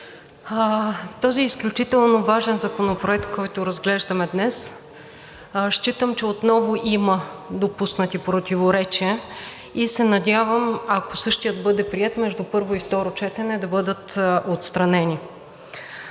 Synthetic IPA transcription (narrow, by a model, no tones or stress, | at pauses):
t̪ɔziːsklʲut͡ʃit̪ɛlˠnovaʒɛnzɐkonopɾoɛk̚t̪̚kɔjt̪ʊɾɐzɡlɛʒd̪ɐmɛd̪nɛs | ʃt͡ʃit̪əmt͡ʃɛot̪nɔvʊʔiməd̪opusnət̪ipɾot̪ʲivoɾɛt͡ʃiə | isɛnɐdʲavəmɐkosɤʃt̪ijət̪̚bɤd̪ɛpɾiɛt̪mɛʒd̪upɤɾvoift̪ɔɾot͡ʃɛt̪ɛnɛd̪ɐbɤd̪ət̪ot̪st̪ɾɐnɛni